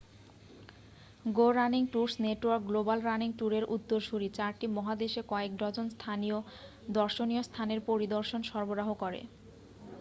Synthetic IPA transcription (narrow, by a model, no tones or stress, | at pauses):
ɡoɾaniŋʈuɾsneʈoaɾk̚ɡlobalɾaniŋʈuɾeɾʔut̪ːoɾʃuɾit͡ɕaɾʈimɔɦad̪eʃekɔek̚d̪ɔd͡ʑonst̪ʰanijo | d̪ɔɾʃonijost̪ʰaneɾpoɾid̪oɾʃonʃɔɾboɾaɦokɔɾḛ